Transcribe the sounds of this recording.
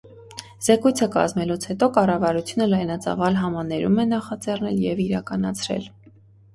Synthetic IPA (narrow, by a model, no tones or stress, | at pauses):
z̥ɛkujt͡sʰəkɑ̰zmɛlut͡sʰhɛt̪ɔkɑrɑvɑɾut͡sʰjunəlɑjnɑt͡sɑ̰vɑlɦɑmɑnɛɾumɛnɑχɑt͡sɛrnɛ̰ljɛviɾɑkɑnɑt͡sʰɾɛ̰l